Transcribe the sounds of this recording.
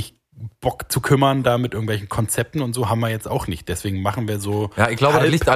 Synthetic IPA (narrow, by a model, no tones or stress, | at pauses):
ɪç | b̥ɔkt͡sukʰʏmɐndaːmɪtʔɪɐɡŋ̩tv̥ɛlçn̩kʰɔnt͡sɛp̚tn̩ʊntz̥oːɦaːbm̩viːɐjɛt͡staʊxnɪçt̚d̥ɛsv̥eːɡŋ̩maχn̩viːɐzoːjaːɪçɡ̥laʊbəaiːçtʔa